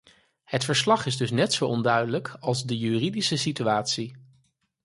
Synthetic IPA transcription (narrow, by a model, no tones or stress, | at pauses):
hətfəɹslɑχɪzdɵsnɛtsowɔndœɥdələkɑlˠzdəjyːridisəsityaːtsi